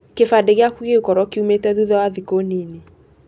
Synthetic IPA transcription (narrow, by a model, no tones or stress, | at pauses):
kefadeɣeakuɣeukɔɾɔkeumetɛðuðɔwaðikonene